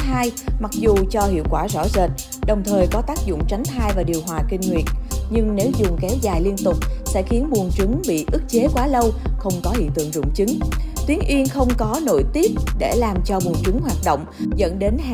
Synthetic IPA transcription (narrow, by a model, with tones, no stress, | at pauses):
t̪aː˧jma˨˩k̚zu˨˩t͡ɕɔ˧hḭ˧˨əwkwaː˧˩zɔ̰˧˩zəː˨˩t̚ | ɗə˨˩wŋ͡mt̪ʰəː˨˩jkɔ˨˦t̪aː˦˥k̚zʊ̰˧˨ŋ͡mt͡ɕa˨˦jŋ̟t̪ʰaː˧jvaː˨˩ɗi˨˩əwɦwaː˨˩kï˧ŋ̟ŋwi˨˩ət̚ɲɨ˧ŋne˨˦wzʊ˨˩ŋ͡mkɛ˨˦wzaː˨˩jli˧ənt̪ʊ˨˩k͡p̚sɛ̰˧˥xi˨˦ənɓu˨˩ənt͡ɕɨ˨˦ŋɓḭ˧˨ʔɨ˦˥k̚t͡ɕe˨˦kwaː˨˦lə˧wxə˧wŋ͡mkɔ˨˦hḭ˧˨t̪ɨ̰˧˨əŋzʊ̰˧˨ŋ͡mt͡ɕɨ˨˦ŋt̪wi˨˦əŋʔi˧ənxə˧wŋ͡mkɔ˨˦no̰˧˥jt̪i˦˥əp̚ɗe˧˩laː˨˩mt͡ɕɔ˧ɓu˨˩ənt͡ɕɨ˨˦ŋɦwaː˨˩t̚ɗo̰˧˨wŋ͡mzə̰˧˥nɗe˨˦n